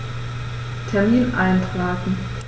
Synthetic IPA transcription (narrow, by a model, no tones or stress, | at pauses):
tʰɛɐmiːnʔaɪntʁ̥aːtn̩